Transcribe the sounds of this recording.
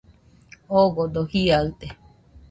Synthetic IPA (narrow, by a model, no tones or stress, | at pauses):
oɡod̪ohiaɯt̪e